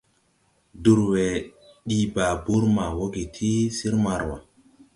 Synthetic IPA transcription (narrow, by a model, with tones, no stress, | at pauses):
du˨ɾwɛ˨ɗi˨ba˨bu˦ɾma˨wo˦ɡi˨tʰi˦si˦ɾma˨ɾwa̰˨